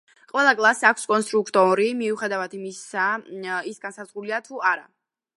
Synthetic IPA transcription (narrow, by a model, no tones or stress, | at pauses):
qʼwɛlˠakʼlˠasakʷʰskʼɔnst̪ʼɾukʰt̪ʼɔɾimiuχɛd̪avad̪imisaisɡansazʁuliat̪ʰuaɾa